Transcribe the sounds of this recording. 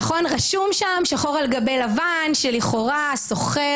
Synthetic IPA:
χo̞nʁaʃumʃamʃaχoʁalɡabe̞jlava | nʃeliχo̞ʁa | so̞χe

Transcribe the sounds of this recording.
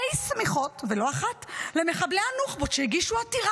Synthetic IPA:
ejsmiχo̞tvelo̞aχatle̞me̞χableanuχbotʃeiɡiʃuatiʁa

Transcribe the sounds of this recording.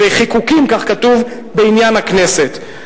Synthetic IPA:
eχikukimkaχkatuv | beinjanhakne̞se̞t̪

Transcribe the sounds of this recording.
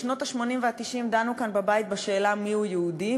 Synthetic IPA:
ʃno̞t̪aʃmo̞nimveat̪iʃimd̪anukanbabajit̪̚baʃe̞ːlamiujeud̪i

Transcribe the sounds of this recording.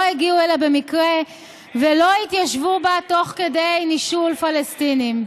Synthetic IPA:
heɡiuelabemikʁe | velo̞it̪jaʃvubat̪o̞χke̞dejniʃulfalestinim

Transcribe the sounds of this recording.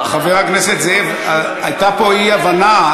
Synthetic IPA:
χaveʁakneset̪zev | a | ajt̪apoiavana

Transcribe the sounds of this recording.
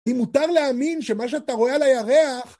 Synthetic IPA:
imut̪aʁleaminʃe̞maʃ̬eat̪aʁo̞ealajaʁeaχ

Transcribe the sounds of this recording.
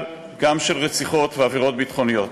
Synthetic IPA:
ɡamʃelʁet͡siχo̞t̪veaviʁo̞t̪̚bit̪χo̞nijo̞t

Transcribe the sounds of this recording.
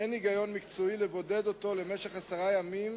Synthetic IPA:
eniɡajo̞nmikt͡soilevo̞ded̪o̞to̞le̞meʃeχasaʁajamim

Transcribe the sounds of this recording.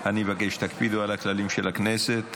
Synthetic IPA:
ʔanivaɡeʃt̪akpid̪ualaklalimʃelakneset̪

